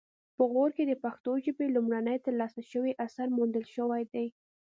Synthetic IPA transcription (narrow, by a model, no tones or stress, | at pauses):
pəɣoɾked̪əpaxt̪oʒəbelumɽanəjt̪əɾlɑsaʃəwiʔasaɾmund̪əlʃəwajd̪aj